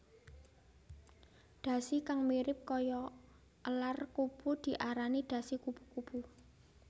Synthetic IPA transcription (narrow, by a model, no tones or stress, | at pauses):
ɖ̪̥ä̤sikaŋmiɾɪp̚kɔjɔ | əlarkub̥ud̪̥i̤ʔaɾanid̪̥ä̤sikub̥u̥kub̥u